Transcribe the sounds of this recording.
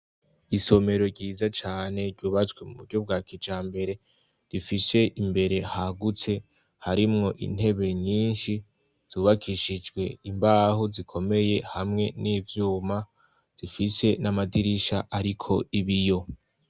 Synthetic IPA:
iso̞me̞ɾo̞ɾɟiːzat͡ʃaːne̞ɾɟuːβat͡swemuβuɾɟob̚ɡaːkʰit͡ʃaːmbe̞ɾe̞ | d̥ifise̞ʔimbe̞ɾe̞haɡut͡se̞ | haɾimŋo̞ʔḭn̥he̞βe̞ɲiːnʃi | z̥uβakʰiʃid͡ʒɡwe̞imbaːɦuzikʰo̞me̞je̞hamŋe̞niːvjuːma | z̥ifise̞namadiɾiʃaʔaɾikʰo̞iβijo̞

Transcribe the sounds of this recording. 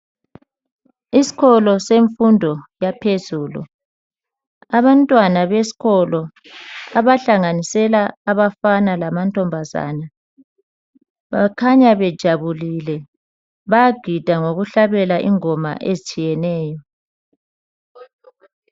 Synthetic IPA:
isi̥ɣɔlɔseɱfundʱɔjapʰezuːlṵ | aβantʼwanaβesi̥ɣɔlɔ | aβaɬaŋanisɛlaːβafanalamantʼɔmbʱaza̰ːna | βakʰaɲaβɛd̥ʒ̥ʱaβulilɛ | βajaɡ̥ʱid̥ʱaŋoɣuɬaβɛlaʔḭŋɔma̰ʔezit͡ʃʼijɛnɛːjɔ

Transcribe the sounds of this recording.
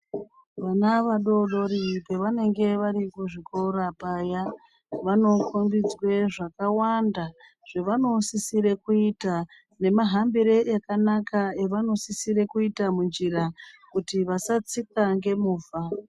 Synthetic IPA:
ʋanaʋaɗo̞ɗo̞ɾipe̞ʋane̞ŋɡe̞ʋaɾikuʐiko̞rapaja | ʋano̞kombid͡zwe̞ʐakawanda | ʐ̥e̞ʋano̞sisiɾe̞kuita | ne̞maɦambiɾe̞jakanakaeʋano̞sisiɾe̞kuitamund͡ʒirakutiʋasat͡sikaŋɡe̞muːfa

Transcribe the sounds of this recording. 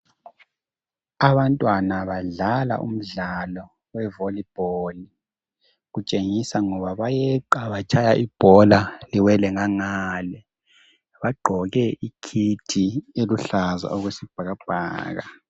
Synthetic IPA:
aβantʼwanaβaɮala̰ʔṵm̩ɮalɔ | wɛvolib̥ʱoli | ɣut͡ʃʼeŋisaŋɔβaβajɛǃaβat͡ʃʰʼajaʔib̥ʱɔlaliwɛlɛŋaŋaːlɛ | βaɡ͡ǃʱɔɣɛʔikʰitʰieluɬaza̰ɔɣwesib̥ʱaɣab̥ʱa̰ːɣa̰

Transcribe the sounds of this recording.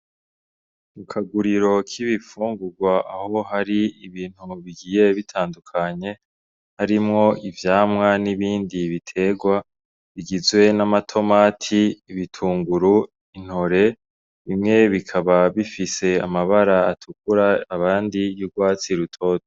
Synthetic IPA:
mukʰaɡuɾiɾo̞kʰiβifuːŋɡuɾɡwaʔaho̞haɾiiβiːn̥huβiɡiːje̞βitʰaːndukʰaɲe̞ | haɾimŋo̞ivjaːmŋaniβiːndiβitʰe̞ɡwa | βiɡizwe̞namatʰo̞maːtʰiːβitʰuːŋɡuɾu | in̥ho̞ɾe̞ | βimŋe̞βikʰaβaβifise̞amaβaɾaːtʰukuɾaːβaːndijuɾɡwaːt͡siɾutʰo̞ːto̥

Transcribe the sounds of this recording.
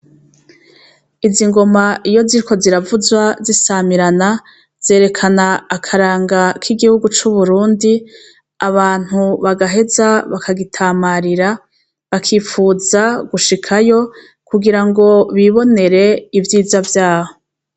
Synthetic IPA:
iziŋɡo̞maijo̞ziɾiko̞ziɾavuzwazisamiɾana | z̥e̞ːɾe̞kʰanaːkʰaɾaːŋɡakʰiɡihuɡut͡ʃuβuɾuːndi | aβaːn̥huβaɡaɦe̞zaβakʰaɡitʰamaɾiɾa | βakʰiːfuzaɡ̥uʃikʰajo̞ | kuɡiɾaŋɡo̞βiβo̞ne̞ɾe̞ivjiːzavjaːho̞

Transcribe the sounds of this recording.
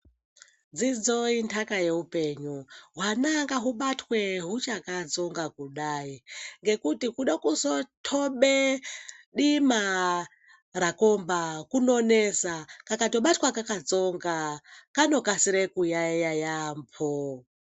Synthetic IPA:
d͡zid͡zointʰakaje̞upeɲuɦwanaŋɡaɦuɓatwe̞ɦut͡ʃakad͡zo̞ŋɡakuɗaːiŋɡe̞kutikuɗakusotʰoɓe | ɗima | rako̞mbakuno̞nesakakato̞ɓatwakakad͡zo̞ŋɡakano̞kasiɾekujajajampʰo

